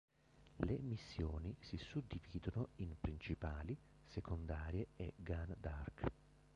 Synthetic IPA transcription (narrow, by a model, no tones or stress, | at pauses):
lemisːjoːnisisud̪ːiviːd̪onoimpɾint͡ʃipaːli | sekʰond̪aːɾjeeɡand̪ark